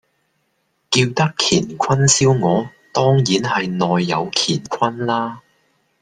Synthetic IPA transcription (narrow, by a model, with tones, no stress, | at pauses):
kiː˧wt̪ɐ˥kʰiː˨˩nkʰɐ˥nsiː˥wŋɔː˨˧t̪ɔː˥ŋjiː˨˥nhɐ˨jnɔː˨jːɐ˨˧wkʰiː˨˩nkʷʰɐ˥nlaː˥